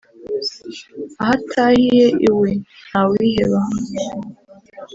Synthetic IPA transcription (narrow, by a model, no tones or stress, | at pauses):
ahatʰahijeʔiwenhawiɦeβaɦa